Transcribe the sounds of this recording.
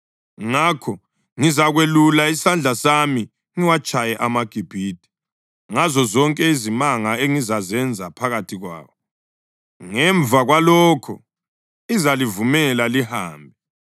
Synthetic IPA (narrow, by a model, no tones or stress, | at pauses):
ŋakʰɔ | ŋizaɣwelulaisand͡ɮʱasami | ŋiwat͡ʃʼajɛʔamaɡ̥ʱib̥ʱiːd̥ʱʼi̥ | ŋazɔzɔŋkʼɛizimaŋaeŋizazɛnd͡zʱapʰaɣatʰiɣwa̰ːwɔ | ŋɛɱvʱaɣwalɔːkʰɔ̰ | izalivumɛlalihaːmbʱɛ